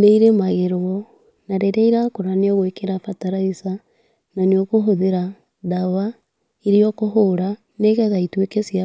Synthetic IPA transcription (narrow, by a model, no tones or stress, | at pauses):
neiɾemaɣeɾɔ | naɾeɾeiɾakoɾaneɔɣwekeɾafataɾaisa | naneokoɦoðeɾa | dawa | iɾiɔkoɦoɾa | neɣɛðaitwekesia